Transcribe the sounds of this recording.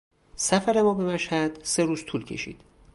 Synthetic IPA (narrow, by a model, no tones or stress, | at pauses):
sæfæɾe̞mɒːbe̞mæʃhæd̪̥se̞ɾuːz̥t̪ʰuːlcʰe̞̰ʃḭːd̪̥